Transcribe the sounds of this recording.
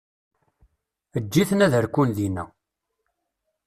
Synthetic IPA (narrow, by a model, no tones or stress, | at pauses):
əd͡ʒːiθənæðəɾkulðinæ̰